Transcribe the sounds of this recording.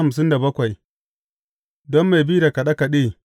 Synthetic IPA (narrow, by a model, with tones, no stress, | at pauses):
a˨ms̬ɪ˦nda˨bɐ˦kʷa˨j | dɔ˦mːa˨jbi˦da˨ka˨ɗa˦ka˨ɗeː˦